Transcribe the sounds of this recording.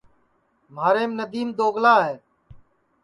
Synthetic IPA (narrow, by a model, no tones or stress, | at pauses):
maːɾeːmnəd̪iːmd̪oːɡlaːɦeː